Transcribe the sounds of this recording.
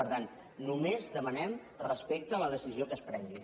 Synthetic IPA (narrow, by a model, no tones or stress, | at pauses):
əɾt̪an | numezðəmənɛm | rəspek̚t̪əːləðəsiziokəspɾɛŋɡi